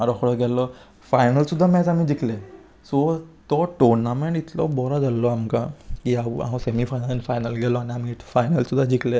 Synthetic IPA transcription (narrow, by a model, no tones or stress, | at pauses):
aɾɔkʰɔɽɔɡɛlɔ | fajnəlsud̪ʱːamɛ̃t͡samĩd͡ʒikle | sot̪ɔʈɔɾnameɳʈit̪lɔ̰bɔɾad͡zalːɔamkakiawã̰semifʰajnəlanifʰajnəlɡɛlɔaniamifajnəlsud̪ʱːad͡ʒikʰle